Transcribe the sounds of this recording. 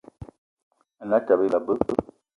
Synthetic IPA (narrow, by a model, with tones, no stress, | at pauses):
a˨na˦ta˨be˦la˨bə˦ə˦